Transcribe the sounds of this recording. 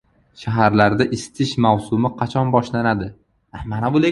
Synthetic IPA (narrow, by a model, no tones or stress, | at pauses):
ʃaɦaɾlaɾd̪aʔɪst̪ʰɪʃmawsʊmɪqʰɑt͡ʃʰɒnbɒʃlanad̪ɪ | amanabʊle